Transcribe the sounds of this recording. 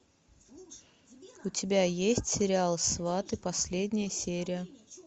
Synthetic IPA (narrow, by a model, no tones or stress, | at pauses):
ʊtʲɪbʲajesʲtʲsʲɪɾʲɪalˠsvat̪ɨpɐsʲlʲedʲnʲɪjəsʲeɾʲɪjə